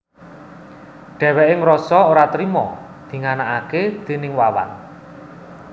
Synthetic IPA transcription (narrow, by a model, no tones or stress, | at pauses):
ɖ̥ɛ̤wɛʔɪŋɾɔsɔoɾat̪ɾimɔ | d̪̥i̤ŋanaaked̪̥e̤nɪŋwawa̰n